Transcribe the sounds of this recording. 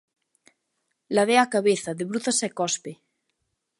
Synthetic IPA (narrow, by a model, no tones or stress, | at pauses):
laðeakaβeθaðeβɾuθasekɔspe